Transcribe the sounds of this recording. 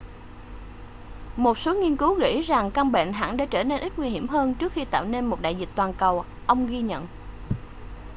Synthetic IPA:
mo˨˩t̚so˨˦ŋi˧ənkɨ˨˦wɣḭ˧˥za˨˩ŋka˧ŋɓḛ˧˨nɦa̰ː˧˥nɗa̰ː˧˥t͡ɕəː˧˩ne˧nʔi˦˥ŋwi˧hi˧˩əmɦəː˧nt͡ɕɨ˦˥ək̚xi˧t̪a̰ː˧˨wne˧nmo˨˩t̚ɗa̰ː˧˨jzi˨˩k̟̚t̪waː˨˩nkə˨˩w | ʔə˧wŋ͡mɣi˧ɲə̰˧˨nʔ

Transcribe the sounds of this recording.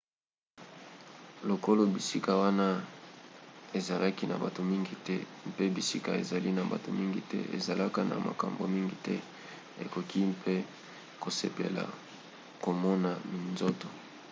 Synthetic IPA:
lo˨ko˦lo˨bi˨si˦ka˨wa˦na˦ | e˨za˨lʔa˦ki˦na̰˨ba˨to˨mi˦ŋɡi˨tɛ˦ | mpe˦bi˨si˦ka˨e˨za˨li˦na˨ba̰˨to̰˨mi˦ŋɡi˨tɛ̰˦ḛ˨za˨la˦ka˦na̰˨ma̰˨ka̰˨mbo̰˨mi˦ŋɡi˨tɛ˦ | ḛ˨ko˨ki˦mpʰe˦ | ko˨sḛ˦pḛ˨la̰˨ | ko˨mɔ˦na˨mi˨nzo˦to˨

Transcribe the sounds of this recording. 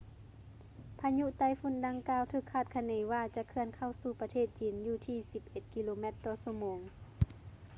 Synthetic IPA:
pʰa˧ɲu˧˨t̪a˧˥˨jfu˧˥˨nda˧˥ŋkaː˧˨wt̪ʰɯː˧˩kʰːaː˧˩t̪̚kʰa˧neː˨˦waː˧t͡ɕa˧˨kʰɯ˧ənkʰa˧˩˨wsuː˧˩pa˧t̪ʰeː˧˩t̪̚t͡ɕiː˨˦njuː˧˩t̪ʰiː˧si˨˧˦p̚ʔe˧˦t̪̚ki˧loː˧˦mɛ˧˥t̪ːɔː˧˩su˧˩moː˨˦ŋ

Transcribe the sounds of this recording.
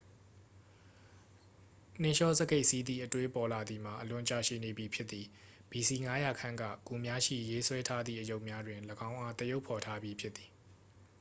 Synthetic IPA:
n̥ɪ̃˦˨ʃɔ˦˨zə˨ɡe˦ɪʔsi˦d̪ðḭ˦˨ʔətwe˦pɔ˨la˨d̪i˨m̥a˨ʔəlʊ̃˨t͡ɕa̰˦˨ʃḭ˦˨ne˨bji˨pʰjɪ˦t̪ːi˨ | b̥i˨si˨ŋa˦ja˨kʰã˦ŋɡa̰˦˨ku˨mja˦ʃḭ˦˨je˦swɛ˦tʰa˦d̪ðḭ˦˨ʔəjo˦ʊʔmja˦dwɪ̃˨nləɡã˦ʊ̃ʔa˦t̪əjo˦ʊpʰːɔ˨tʰa˦bji˦pʰjɪ˦t̪t̪ːi̥˨

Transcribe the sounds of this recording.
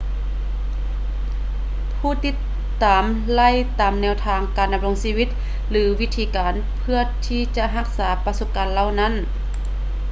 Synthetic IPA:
pʰuː˧˩t̪i˧˥t̪ː | aː˨m | la˧˥˨jt̪aː˨mnɛː˧˩wt̪ʰaː˧ŋkaː˨˩nda˧m̚lo˧ŋsiː˧wi˧˥t̪̚ | lɯː˨˦wi˦˥t̪ʰːiː˧kaː˨˧n | pʰɯ˧˩ɐt̪ʰiː˧˩t͡ɕa˧ʔɦa˧k̚saː˩˦pa˧su˧˥p̚kaː˨˦nla˧˨wna˧˥˨n

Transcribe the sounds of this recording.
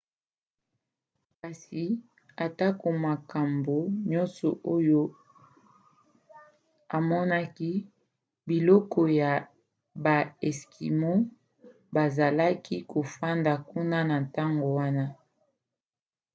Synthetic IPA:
ka˨si˨ | a˨ta˦ko˨ma˨ka˨mbo˨ɲɔ˦nsɔ˨ʔo˦jo˦ | a˨mɔ˦na˦ki˦ | bi˨lɔ˦kɔ˨ja˨ | ba˨ɛ˨skʰi˨mo˦ | ba˨za˨la˦kʰi˦ko˨fa˦nda˨ku˦na˦na˨nta˦ŋɡo˨wa˦na˦

